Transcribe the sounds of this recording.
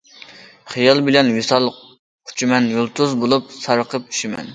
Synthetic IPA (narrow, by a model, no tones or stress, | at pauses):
χijɑlˠbɪlɛnwisɑlˠ | qʰʊ̥t͡ʃʰimɛnjulˠt̪ʰuzbolˠup̚sɑɾəqʰəp̚y̥ʃimɛ̰n